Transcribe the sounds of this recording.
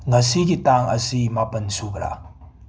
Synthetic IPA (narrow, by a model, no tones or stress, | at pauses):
ŋasiɡitaŋɐ̰simapɐnsubɾa̰